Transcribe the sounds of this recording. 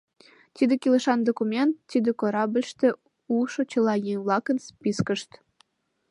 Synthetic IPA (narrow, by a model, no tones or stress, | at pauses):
t̪id̪ekʲiləʃɑnd̪okumʲent̪ːid̪ĕkoɾɑbəlʲʃt̪ĕ | uʃot͡ɕə̆lɑjenβlˠɑkənspʲiskəʃt̪